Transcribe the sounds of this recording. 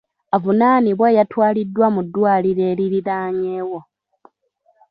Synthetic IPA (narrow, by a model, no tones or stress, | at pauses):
avunaːniβwejatwaːlidːwamudːwaːliɾeːɾiɾiɾaːɲeːwo̞